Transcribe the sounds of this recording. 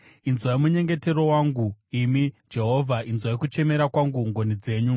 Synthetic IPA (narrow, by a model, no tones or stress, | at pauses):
inzwaimuɲe̞ŋɡe̞te̞ɾo̞waŋɡuimid͡ʒe̞ɦo̞vʱaʔinzwaikut͡ʃe̞me̞ɾakwaŋɡuŋɡo̞nid͡ze̞ːɲu